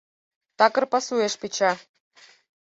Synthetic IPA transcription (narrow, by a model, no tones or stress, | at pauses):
t̪ɑkɤ̆rpɑsueʃpit͡ɕɑ